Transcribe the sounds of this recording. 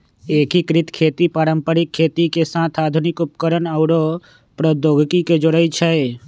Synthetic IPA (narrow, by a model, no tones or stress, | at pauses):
ekikɾɪt̪kʰet̪ipaːɾəmpəɾɪkʰːet̪ikesãt̪ʰad̪ʱunɪkupkəɾənawɽo | pɾɔd̪oɡkiked͡ʒoɽəjt͡ʃʰe